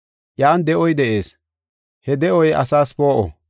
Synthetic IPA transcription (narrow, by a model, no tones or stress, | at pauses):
ʔjaːnd̪ɛʔɔjd̪ɛʔe̞ːs | hɛd̪ɛʔɔjɐ̰saːspo̞ːʔɔ̰